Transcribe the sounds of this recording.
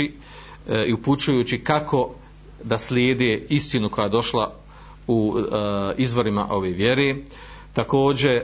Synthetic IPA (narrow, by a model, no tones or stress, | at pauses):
i | iuput͡ʃujuːt͡ɕikako̞ | d̪asljeːd̪eːist̪inuko̞jaːed̪o̞ʃlˠa | u | izʋo̞ɾima̰ʔo̞ʋeːʋje̞ɾe̞ː | t̪ako̞ːd͡ʑe̞